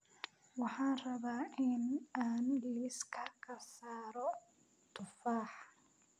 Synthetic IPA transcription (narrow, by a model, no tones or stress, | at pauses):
wɑħɑːnrɐβaːʔɪnaːnliɪskʰɐrkʰɐsaːɾɔ | t̪ʰʊfaːħ